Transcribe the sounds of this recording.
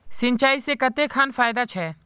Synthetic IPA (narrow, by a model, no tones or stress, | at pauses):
sɪnt͡ʃaːisekət̪eːkʰaːnfʰaːɪd̪at͡ʃʰɛː